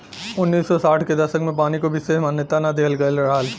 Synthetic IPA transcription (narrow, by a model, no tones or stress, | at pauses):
ʊnːiːsːɔsaːʈʰked̪ɐsəkmẽpaːnikobʱisemaːnjət̪anad̪eɦəlɡɐelɐɽaːl